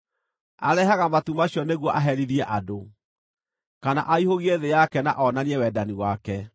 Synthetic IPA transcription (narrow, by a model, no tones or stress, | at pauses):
aɾɛɦaɣamatumaɕjɔneɣwɔʔaɦɛɾiðiɛʔado | kana̰ʔaihoɣieðejakɛna̰ʔɔnaniɛwɛdaniwakɛ